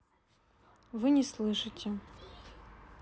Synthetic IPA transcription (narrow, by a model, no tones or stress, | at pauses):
vɨnʲɪslˠɨʂɨtʲe